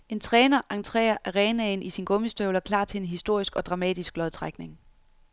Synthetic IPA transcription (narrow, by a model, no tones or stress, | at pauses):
e̝nt͡sʰʁɛːnɐʔɑ̈ŋt͡sʰʁɛ̰ːɐʔæʁɛːnɛɪnʔisinɡ̥ɔ̽misd̥øʊlɒkʰlɑ̰̈ːt͡sʰe̝enɦisd̥o̝ɐ̰isɡ̥ɒ̽d̥ʁɑ̈mɛ̰ːd̥isɡ̥̚lɒðˠt͡sʰʁaɡ̥ne̝ŋ